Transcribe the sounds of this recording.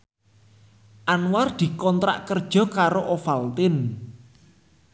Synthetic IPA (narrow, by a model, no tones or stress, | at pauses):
ʔanward̪̥i̤kɔnt̪ɾa̰ʔkərd̥ʒ̥ɔ̤kaɾoʔofalt̪ɪn